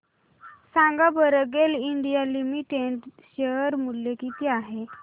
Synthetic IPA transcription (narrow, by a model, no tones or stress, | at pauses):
sãŋɡabəɾəɡeliɳɖijalimiʈeʈɕeəɾmuljekit̪iaɦe